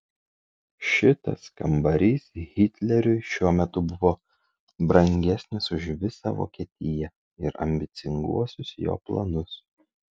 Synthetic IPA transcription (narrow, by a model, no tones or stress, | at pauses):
ʃʲɪt̪ɐ̰skɐmbɐɾʲiːsɣʲɪt̪ʲlʲɛɾʲʊɪʃʲuɔmʲɛt̪ʊbʊʋoː | bɾɐŋʲɡʲɛsʲnʲɪsʊʃʋʲɪsɑ̰ʋo̰ːkʲiɛt̪ʲɪjɛ | ɪɾɐ̰mʲbʲɪt̪sʲɪŋɡṵɔsʲʊsjo̰ːplˠɐ̰nʊs